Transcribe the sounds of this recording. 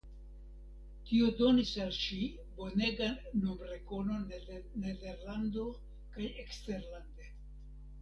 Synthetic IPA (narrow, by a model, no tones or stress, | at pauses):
tiodo̞nisalʃi | bo̞ne̞ɡanumɾe̞ko̞no̞ne̞de̞ɾlando̞ | kaje̞kste̞ɾland̪e̞